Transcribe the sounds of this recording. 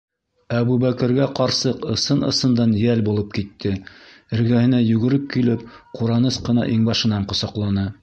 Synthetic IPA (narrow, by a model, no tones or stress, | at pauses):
æβuβækɘ̆ɾɡæqɑɾsɤqɤ̆sɤnɤ̰̆sɤ̆nd̪ɑnjælbulˠɤp̚kit̪ʰːɘ | ɘ̆ɾɡæhɘ̆næjʉɡɘ̆ɾɘp̚kilɘpquɾɑnɤsqɤ̆nɑʔiŋbɑʃɤ̆nɑɴqŏsɑqlˠɑnɤ